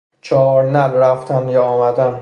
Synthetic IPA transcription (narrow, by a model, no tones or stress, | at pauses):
t͡ʃʰɒɾnælɾæft̪ʰænjɒɒmæd̪æn